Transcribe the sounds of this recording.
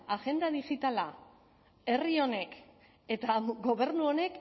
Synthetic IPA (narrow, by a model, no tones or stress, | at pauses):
aɣe̞nd̪aðixit̪ala | e̞rio̞ne̞k | e̞t̪aɡo̞β̞e̞ɾnuo̞ne̞k